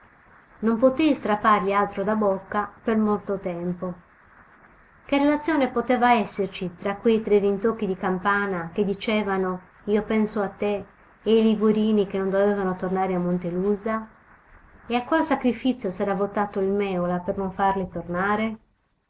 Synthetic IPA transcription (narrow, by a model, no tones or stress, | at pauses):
nompot̪ejst̪ɾapːarʎialt̪ɾod̪abokːapermolt̪ot̪ɛmpo | k̟erelat̪sːjoːnepot̪ɛːvaɛsːert͡ʃit̪ɾakːwejt̪ɾed̪int̪okːid̪ikampaːnak̟ed̪ːit͡ʃɛːvano | iːopɛnsoat̪ːeː | jliɡuɾiːnikenond̪ovɛːvanot̪ornaːɾeamːont̪eluːza | eakːwalsakɾifit̪sjosɛːɾavot̪ːaːt̪oilmɛːolapernoɱfarlit̪ornaːɾe